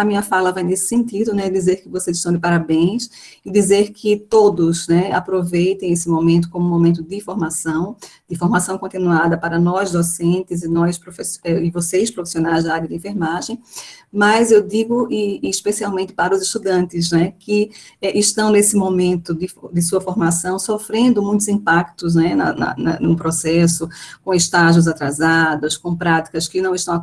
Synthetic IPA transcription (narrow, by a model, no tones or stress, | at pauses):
ɐmĩɲɐfalɐvajnesɪ̥sẽnt̪id̪ʊnɛd̪izeɾkɪvosezɪʃt̪ɐ̃w̃d̪ɪpaɾabẽj̃s | ɪd̪izeɾkʰɪt̪od̪ʊznɛa̰pɾovejt̪ẽj̃esɪmõmẽnt̪ʊ̥kõmʊmõmẽnt̪̬ʊd̪ɪfoɾmasɐ̃w̃d̪ɪfoɾmasɐ̃w̃kõnt̪inuad̪ɐpaɾɐnɔjzd̪osẽnt̪ɪzɪnɔjspɾofesɛɪvosejspɾofi̥sionajzd̪aɾjɐd̪ɪẽfeɾmaʒẽj̃mɐjzewd̪iɡʊʔɪːʃpesiawmẽnt̪ɪ̥paɾɐʊzɪʃt̪ud̪ɐ̃nt̪ɪznɛkɪɛʔɪʃt̪ɐ̃w̃nesɪmõmẽnt̪ʊd̪ɪfd̪ɪsuɐfoɾmasɐ̃w̃sofɾẽnd̪ʊmũj̃t̪ʊzĩpakt̪ʊz̬nɛnɐ̰nɐ̰nɐ̰nũpɾosɛsʊkõɪʃt̪aʒʊ̃zat̪ɾazad̪ɐskõpɾat̪i̥kɐskɪnɐ̃w̃ɪʃt̪ɐ̃w̃a